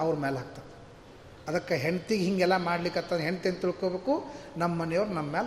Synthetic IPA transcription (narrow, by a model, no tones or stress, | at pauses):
ɐʋɾmeːlɦaːk̚t̪ad̪e | ɐd̪ɐkːaɦeɳt̪iɡɦiŋɡɛlːamaːɽlikːɐt̪ːɐnɦent̪ient̪iɭkobeːkunɐmɐːɐnɛjoʋɾunɐmɐmeːl